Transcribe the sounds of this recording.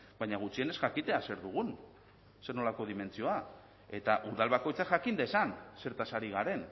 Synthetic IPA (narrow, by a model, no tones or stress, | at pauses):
bajɲaɣut͡ʃiene̞sʝakit̪e̞ase̞ɾðuɣ̞un | se̞no̞lako̞ð̞ime̞nt͡sio̞a | e̞t̪aʔuðalβako̞jt͡saʝakind̪esanse̞ɾt̪asaɾiɣ̞aɾe̞n